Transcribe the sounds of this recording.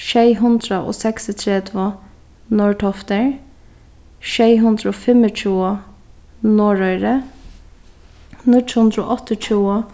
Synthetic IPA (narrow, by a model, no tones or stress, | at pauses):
ʃeɪɦʉnd̪ɾəʔo̰ːsɛksɪt̪ʰɾɛd̪ʋo | noːɹʈʰɔft̪əɹ | ʃeɪɦʉnd̪ɾəoːfɛmət͡ʃʰuːə | noːɹœʏɾə | nɪt̪hʉnd̪ɾəo̰ːʔɔt̪ɪt͡ʃʰuːə